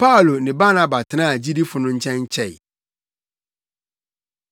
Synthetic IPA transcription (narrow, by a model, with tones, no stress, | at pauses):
pʰa˦o˨lo˨nɪ̃˨ba˦nã˨ba˨tʰɪ˨nãː˦˨d͡ʑi˦di˦fʊ˨nʊ̃˦ɲ̩˦t͡ɕʰɛ̃˦ɲ˦t͡ɕʰɛ˦˨ɪ̰˨